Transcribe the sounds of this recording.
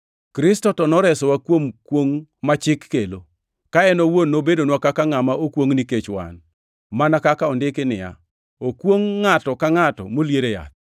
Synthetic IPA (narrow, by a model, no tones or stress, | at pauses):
kɾɪstɔtɔnɔɾɛsɔwakwomkwoŋmat͡ʃɪkːelo | kaɛnowonːobedonwakakaŋamaokwoŋniket͡ʃwa̰n | manakakaɔndɪkɪnɪ̰ja̰ | okwoŋːatɔkaŋatɔ̰moljeɾeja̰t̪̚